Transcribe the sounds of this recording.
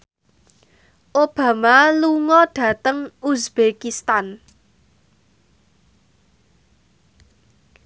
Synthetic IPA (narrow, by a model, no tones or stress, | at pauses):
ʔob̥a̤maluŋɔɖ̥ä̤t̪əŋusb̥ekist̪an